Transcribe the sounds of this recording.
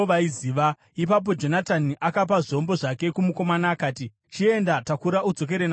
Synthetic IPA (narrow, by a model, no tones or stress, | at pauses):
ʋaiziːʋa | ipap̬o̞d͡ʒo̞nataniʔakap̬aʐio̞mbo̞ʐake̞kumuko̞manaːkaːti | t͡ʃie̞ndatakuɾaud͡zo̞k̬e̞ɾena